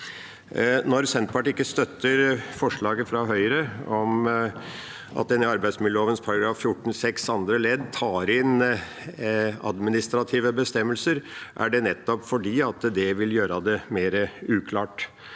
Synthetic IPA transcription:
nɔɾsɛnt̪̚pʰɑʈiɪkːəst̪œt̪ːəɾfɔʂɭɑːɡəfɾɑɦœʏɾəɔm | ʔɑ̰t̪̚d̪ɛnɪɑɾbæɪd̪smɪəoːʋənspʰɑɾɑɡɾɑːfːjʊʈːn̩sɛksɑnd̪ɾəlɛd̪t̪ʰɑːɾɪn | ɑ̰d̪mɪnɪst̪ɾɑt̪ʰiːʋəbəst̪ɛmːəlsəɾʔæ̰ɖɛnɛt̪ːɔpfɔɖiːɑt̪d̪ɛʋɪljøːɾɑd̪ɛmeːɾəʉːkʰlɑːʈ

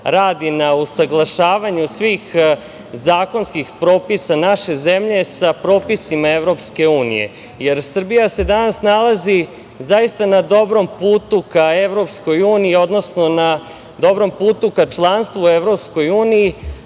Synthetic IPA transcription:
ɾaːd̪inausaɡlˠaʃaːʋaɲusʋiːx | zaːko̞nskixpɾo̞ːpisanaʃe̞ze̞mʎe̞sapɾo̞ːpisimaeʋɾo̞pske̞uːnḭje̞̰ | je̞ɾsr̩bijase̞d̪anasnalˠazi | zaist̪anad̪o̞bɾo̞mpuːt̪ukaeʋɾo̞psko̞juːniio̞d̪no̞sno̞na | d̪o̞bɾo̞mpuːt̪ukat͡ʃlˠanst̪ʋueʋɾo̞psko̞juːniji

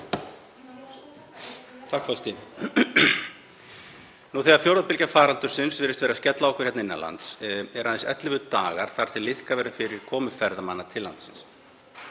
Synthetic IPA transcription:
t̪ʰahkfɔst̪ɪ | nuθɛːɣaɾfjowɾðapɪlcafaːɾant̪ʏɾ̥sɪnsvɪːɾɪst̪vɛːɾascɛt̪laɔhkʏ̥hjɛt̪naɪnːa̰la̰nt̪sɛɾaðɛsɛ̰t̪lɪvʏðt̪aːɣaɾ̥θaɾ̥t̪ʰɪlːɪðkavɛːɾafɪɾɪɾ̥kʰɔːmʏfɛɾðama̰nːat̪ʰɪlːant̪sɪns

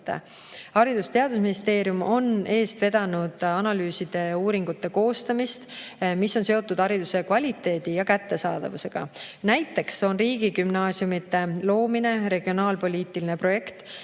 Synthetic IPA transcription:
hɑɾid̪ust̪e̞ɑd̪usminist̪e̞ːɾijumo̞ne̞ːst̪ve̞d̪̥ɑnud̪̥ɑnɑlyːsid̪̥e̞uːɾiŋɡ̥ut̪ːe̞ko̞ːst̪ɑmist̪misːo̞nse̞o̞t̪ːˑud̪̥ɑɾid̪use̞kvɑlʲit̪ːe̞ːd̪̥ijɑkæt̪ːe̞sɑːd̪̥ɑ̰vuse̞ɡ̥ɑ̰næjt̪ːˑe̞kso̞nriːɡ̥ikymnɑːsiumit̪ːe̞lo̞ːmine̞ɾe̞ɡ̥io̞nɑːlpo̞lʲiːt̪ːiline̞pro̞je̞kt̪

